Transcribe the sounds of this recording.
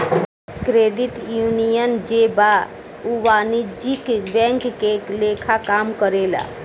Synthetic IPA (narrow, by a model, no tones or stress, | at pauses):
kɾeɖiʈjunijənd͡ʒeba | uʋanid͡ʒikbɛ̃ŋkːeklekʰakamkəɾela̰